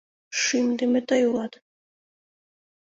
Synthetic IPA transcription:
ʃimd̪imɛt̪ʼajulat̪

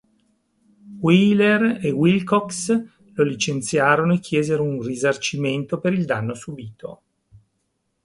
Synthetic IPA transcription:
wilerewilkɔks | lolit͡ʃent̪sjaːɾonoekːjeːzeɾounrizart͡ʃiment̪opeɾild̪anːosubiːt̪ʰo̰

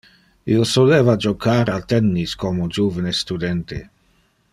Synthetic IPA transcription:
iːosoleːvad͡ʒokʰaːɾalt̪ɛnːiskomod͡ʒuvenest̪ud̪ɛnt̪ḛ

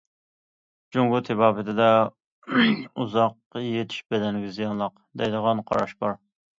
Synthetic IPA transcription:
d͡ʒoŋɡʊt̪ʰɪbɑːbɪt̪ʰɪd̪ɛ | uzɑqːɑjet̪ʰi̥ʃbɛd̪ɛnɪɡʲɪzijɑnlˠəq | d̪ɛjd̪əʁɑnqʰɑ̰ɾɑʃbɑɾ

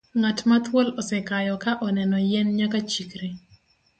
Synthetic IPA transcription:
ŋatmat̪wolɔsɛkajɔkaʔɔnɛnɔjɛnɲakat͡ʃikɾe

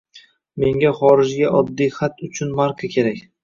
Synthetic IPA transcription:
me̞ŋɡʲaχɒɾɪʒɡʲaʔɒd̪ːijχat̪ʰʊt͡ʃʰʊnmaɾkʰɑkʲʰe̞ɾakʲ

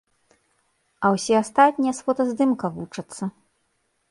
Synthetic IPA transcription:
ɐwsʲɛast̪at̪̚ʲnʲijɐsfɔt̪ɐzd̪ɨmkɐvut͡ʂɐt̪sːɐ

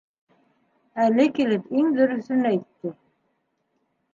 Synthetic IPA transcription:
ælɘkilɘpiŋðɵɾɵ̆θɵnæjt̪ːɘ

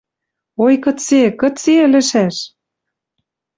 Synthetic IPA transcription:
ojkɤ̆t͡sekɤ̆t͡selɘ̆ʃæʃ

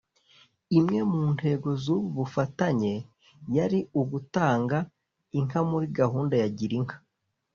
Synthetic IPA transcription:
imŋe̞muːnte̞ːɡo̞zuβuβufataɲe̞ | jaɾiuɡutaːŋɡa | iŋ̥amuɾiɡaɦuːndajaɟiɾiŋ̥hḁ

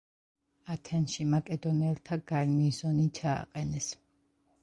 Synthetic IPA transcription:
at̪ʰɛnʃimakʼɛd̪ɔnɛlˠt̪ʰaɡ̥aɾmizɔnit͡ʃʰa̰ːqʼɛnɛs

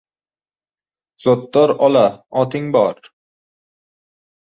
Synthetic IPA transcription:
z̥ɔt̪ːɔɾɒlaɒt̪ɪŋbɒɾ

